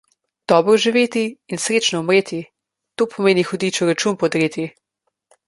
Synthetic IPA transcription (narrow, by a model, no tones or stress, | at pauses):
d̪̥ɔːbɾɔʒiʋeːt̪iːnsɾeːt͡ʃnɔumɾeːt̪i | t̪oːpʰɔmeːnixɔd̪iːt͡ʃɔɾat͡ʃuːmpɔd̪ɾeːt̪i